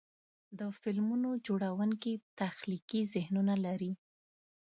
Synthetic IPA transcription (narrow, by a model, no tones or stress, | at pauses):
d̪əfɪlmunod͡ʒoɽawəŋkit̪axlikizɪhnunalaɾi